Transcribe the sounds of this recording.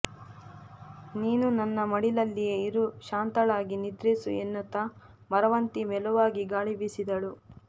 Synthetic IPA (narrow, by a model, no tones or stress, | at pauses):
niːnunɐnːɐmɐɽilɐlːijeiɾuʃaːnt̪ɐɭaːɡinid̪ɾisṵenːɐt̪ːɐ | mɐɾɐʋɐnt̪imɛluʋaːɡiɡaːɭibisid̪ɐɭu